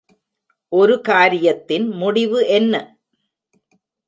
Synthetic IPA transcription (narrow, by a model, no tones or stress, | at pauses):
ʔɔɾɯkaːɾɪjɐt̪ːɪnmʊɽɪʋɯʔɛnːɐ